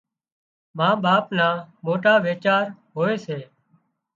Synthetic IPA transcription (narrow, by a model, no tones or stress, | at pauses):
mãːɓaːpnaːmoːʈaːʋeːt͡ʃaːɾɦoːeːseː